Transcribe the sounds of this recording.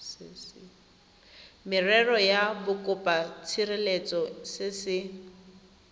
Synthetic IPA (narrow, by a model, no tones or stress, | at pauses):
ss | mɪrɛrɔjabʊkʼʊpʼat͡sʰirɪlet͡sʼɔsɪsɪ